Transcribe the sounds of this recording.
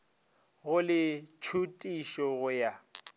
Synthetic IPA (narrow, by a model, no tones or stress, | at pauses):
ɣʊlɪt͡ʃʰutʼiʃɔɣʊja